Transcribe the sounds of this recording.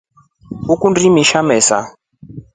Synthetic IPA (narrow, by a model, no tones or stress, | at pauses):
ukundimiʃamɛsa̰